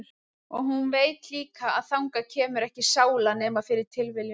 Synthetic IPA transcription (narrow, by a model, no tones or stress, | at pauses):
ɔɣɦunveːjt̪liːkaa̰ðθawŋkacʰɛːmʏɾɛhcɪsaːwlaneːmafɪɾɪɾ̥t̪ʰɪlvɪlj